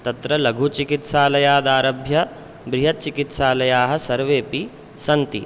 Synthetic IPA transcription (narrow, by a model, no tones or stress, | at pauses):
t̪ɐt̪ɾɐlɐɡʱut͡ʃikit̪saːlɐjaːd̪aːɾɐbʱjɐ | bɾiɦɐt̪̚t͡ʃikit̪saːlɐjaːɦɐ̆sɐɾʋeːpi | sɐnt̪i